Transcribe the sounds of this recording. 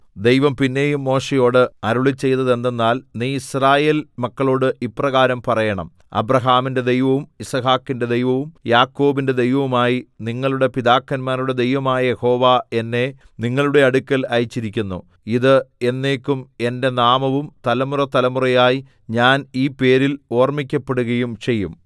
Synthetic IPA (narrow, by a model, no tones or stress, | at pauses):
d̪e̞jʋɐmpinːe̞ːjumːo̞ːʂejo̞ːɽɨɐɾuɭit͡ɕːe̞jt̪ːɐðe̞nd̪e̞nːaːlniːisraːje̞ːlmɐkːɐɭo̞ːɽɨʔiprɐɣaːɾɐmpɐrɐjɐɳɐ̰m | ɐ̰bɾɐɦaːminde̞d̪e̞jʋɐʋumisɐɦaːkːinde̞d̪e̞jʋɐʋumjaːkːo̞ːbinde̞d̪e̞jʋɐʋumaːjiniŋːɐɭuɽe̞piðaːkːɐnmaːnɾuɽe̞d̪e̞jʋɐmaːjɐje̞ho̞ːʋaːe̞nːe̞ | niŋːɐɭuɽe̞ɐɽukʲːɐlɐjit͡ɕːiɾikʲːunːṵ | iðɨe̞nːe̞ːkʲːume̞nde̞naːmɐʋumt̪ɐlɐmurɐt̪ɐlɐmurɐjaːji | ɲaːniːpe̞ːɾilo̞ːrmik̬ʲːɐpːe̞ɽuɣɐjumt͡ɕe̞jːum